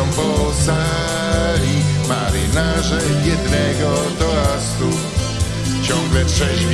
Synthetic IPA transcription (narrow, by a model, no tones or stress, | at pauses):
ɔmbɔlza | ɾi | maɾḭnaʒɛjɛd̪nɛːɡɔ | d̪ɔast̪u | t͡ʃɔmɡlɛtʂɛʒ